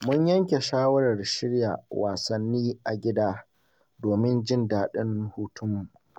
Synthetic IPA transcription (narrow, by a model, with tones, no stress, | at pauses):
mʊ˦ɲjɐ˦ŋkʲe˨ʃaː˦wɐ˦ɾɐ˨rʃɪ˦ɽja̰ː˨waː˨sɐ˦nːiː˦ʔa˨ɡʲɪ˦daː˦ | doː˨mɪ˦nd͡ʒɪ˦ndaː˨ɗɪ˦nhuː˦tʊ˦mːu˨